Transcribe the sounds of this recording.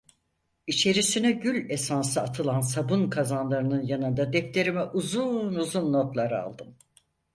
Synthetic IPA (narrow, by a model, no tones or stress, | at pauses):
it͡ʃʰe̞ɾisinɛɟylʲe̞sansɯat̪ʰɯlˠansabunkʰazanlˠaɾɯnɯnjanɯnd̪ad̪ɛft̪ʰe̞ɾimɛʔuzunuzunːo̞t̪lˠaɾa̰lˠd̪ɯm